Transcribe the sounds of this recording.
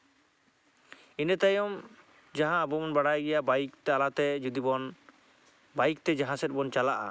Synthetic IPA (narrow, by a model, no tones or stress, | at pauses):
inɛt̪ajɔm | d͡ʒaɦãːbɔmɔnbaɽajɡɛjabajik̚t̪ɛalat̪ɛd͡ʒud̪ibɔn | bajik̚t̪ɛd͡ʒaɦãsɛt̪̚bɔnt͡ʃalaʔa̰